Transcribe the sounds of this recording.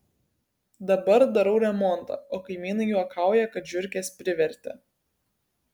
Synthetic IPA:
d̪ɐbɐɾd̪ɐɾɐʊɾʲɛmɔnt̪ɐ̰oːkɐɪmʲiːnɐɪjuɔkʰɑˑʊjɛkɐt̪ʒʲʊɾʲkʲeːsʲpʲɾʲɪʋʲɛɾʲt̪ʲɛ̰

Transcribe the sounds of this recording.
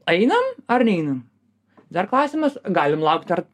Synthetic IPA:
ɛɪnɐmɐɾnʲɛɪnɐm | d̪ɐrklˠɑːsʲɪmɐsɡɑːlʲɪmlˠɐʊkt̪ɐɾ

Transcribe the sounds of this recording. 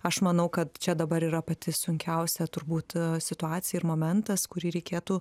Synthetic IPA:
ɐʃmɐnɐʊkɐt̪t͡ʃʲɛd̪ɐbɐɾiːɾɐpɐt̪ʲɪsʊŋʲkʲɛʊsʲɛt̪ʊɾbuːt̪sʲɪt̪ʊɑːt̪sʲɪjɛɪrmoːmʲɛnt̪ɐskʊɾʲiːɾʲɛɪkʲeːt̪uː

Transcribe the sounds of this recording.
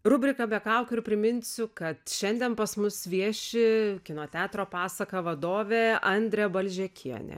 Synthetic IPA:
rʊbʲɾʲɪkɐbʲɛkɐʊkʲʊɪɾpʲɾʲɪmʲɪnʲsʲʊkɐt̪ʃʲɛnʲd̪ʲɛnpɐsmʊsʋʲiɛʃʲɪkʲɪnoːt̪ʲæːt̪ɾoːpɑːsɐkɐʋɐd̪oːʋʲeːɐnʲd̪ʲɾʲɛbɐlʲʒʲɛkʲʰiɛnʲɛ̰

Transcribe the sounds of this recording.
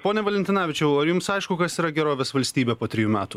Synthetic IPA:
poːnʲɛʋɐlʲɛnʲt̪ʲɪnɑːʋʲɪt͡ʃʲɛʊɐjʊmsɐɪʃkʊkɐsiːɾɐɡʲɛɾoːʋʲeːsʋɐlʲsʲt̪ʲiːbʲɛpoːt̪ʲɾʲɪjuːmʲæːt̪ʊ

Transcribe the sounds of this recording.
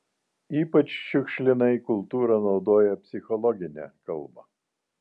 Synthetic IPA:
iːpɐt͡ʃʃʲʊkʃʲlʲɪnɐɪkʊlˠt̪uːɾɐnɒʊd̪oːjɛpʲsʲɪxɔlˠɔɡʲɪnʲɛ̰kɐlˠmɐ̰

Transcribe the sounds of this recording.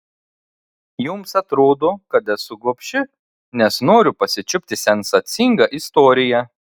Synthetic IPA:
jʊmsɐt̪ɾoːd̪oːkɐt̪ɛsʊɡuɔpʲʃʲɪ | nʲɛsnoːɾʲʊpɐsʲɪt͡ʃʲʊpʲt̪ʲɪsʲɛnsɐt̪sʲɪŋɡɐʔɪst̪oːɾʲɪjɛ

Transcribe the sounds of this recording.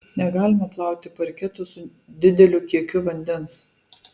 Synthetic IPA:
nʲɛɡɑːlʲɪmɐplˠɑˑʊkt̪ʲɪpɐɾʲkʲɛt̪ʊsʊ | d̪ʲɪd̪ʲɛlʲʊkʲiɛkʲʊʋɐnʲd̪ʲɛns

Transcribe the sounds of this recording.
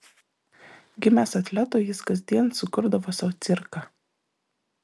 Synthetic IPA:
ɡʲɪmʲæsɐt̪ʲlʲæt̪oːjɪskɐzʲd̪ʲiɛnsʊkʊɾd̪ɐʋoːsɑt̪sʲɪɾkɑ

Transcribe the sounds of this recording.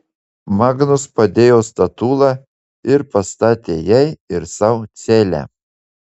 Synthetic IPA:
mɑːɡnʊspɐd̪ʲeːjoːst̪ɐt̪uːlˠɑ | ɪɾpɐst̪ɑːt̪ʲeːjɛɪɪɾsɑʊt̪sʲeːlʲæ̰

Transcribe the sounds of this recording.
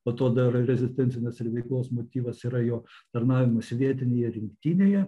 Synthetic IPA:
pɐt̪oːd̪ɐɪɾɐɾʲɛzʲɪsʲt̪ʲɛnʲt͡ssʲɪnʲɛsɪɾʋʲɛɪklˠoːsmoːt̪ʲiːʋɐsiːɾɐjoːt̪ɐrnɑːʋʲɪmɐsʲʋʲiɛt̪ʲɪnʲejɛɾʲɪŋkt̪ʲiːnʲeːjɛ

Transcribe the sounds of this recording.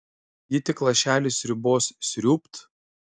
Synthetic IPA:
jɪt̪ʲɪklˠɐʃʲæːlʲɪsʲɾʲɪboːssʲɾʲuːpt̪

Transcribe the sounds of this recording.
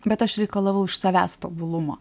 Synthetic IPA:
bʲɛt̪ɐʃɾʲɛɪkɐlˠɐʋɐʊɪʃsɐʋʲæ̰ːst̪oːbʊlˠʊmoː

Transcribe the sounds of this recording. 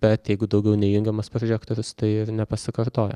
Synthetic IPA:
b̥ʲɛt̪jɛɪɡʊd̪ɐʊɡʲɛʊnʲɛjʊŋʲɡʲɛmɐspɾɔʒʲæːkt̪oːɾʲʊst̪ɐɪɪɾnʲɛpɐsʲɪkɐɾt̪oːjɛ̰

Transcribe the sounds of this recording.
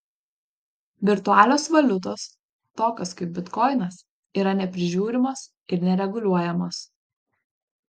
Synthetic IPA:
ʋʲɪɾt̪ʊɑːlʲoːsʋɐlʲʊt̪oːs | t̪oːkʲoskɐɪp̚bʲɪt̪kɔɪnɐs | iːɾɐnʲɛpʲɾʲɪʒʲuːɾʲɪmos | ɪɾnʲɛɾʲɛɡʊlʲuɔjɛmos

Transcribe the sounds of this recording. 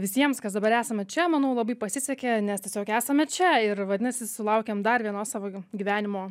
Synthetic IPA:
ʋʲɪsʲiɛmskɐsd̪ɐbɐɾæːsɐmʲɛt͡ʃʲɛmɐnɐʊlˠɐbɐɪpɐsʲɪsʲɛkʲeːnʲɛst̪ʲiɛsʲoːkæːsɐmʲɛt͡ʃʲɛɪrʋɐd̪ʲɪnɐsʲɪsʊlˠɐʊkʲeːmd̪ɐrʋʲiɛnoːsɑːʋoːɡʲiʋʲæːnʲɪmoː

